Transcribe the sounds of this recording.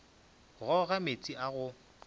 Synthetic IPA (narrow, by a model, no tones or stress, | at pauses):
ɣɔɣamet͡sʼiʔaɣʊ